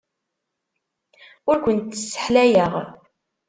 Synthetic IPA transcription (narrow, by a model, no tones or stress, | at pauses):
ʊɾkʷənt̪ːə̥sːə̥ħlæjəʁ